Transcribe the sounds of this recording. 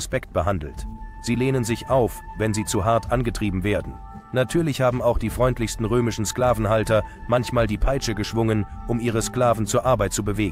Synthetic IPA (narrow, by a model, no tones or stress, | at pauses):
spɛkt̚b̥əɦandl̩tz̥iːleːnənzɪçʔaʊf | vɛnziːt͡suɦaɐtʔanɡətʁ̥iːbm̩veːɐdn̩ | natʰyːɐlɪçhaːbm̩aʊxd̥iːfʁ̥ɔʏntlɪçstn̩ʁøːmɪʃn̩sklaːvn̩haltɐ | mançmaːldiːpʰaɪt͡ʃəɡəʃv̥ʊŋənʔʊmʔiːʁ̞əskl̥aːvn̩t͡suːɐʔaɐbaɪt̚t͡subəveːɡŋ̩